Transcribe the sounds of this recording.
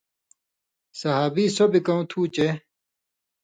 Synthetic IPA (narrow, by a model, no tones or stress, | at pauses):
sɐɦaːbiːsobikɐũt̪ʰuːt͡ɕe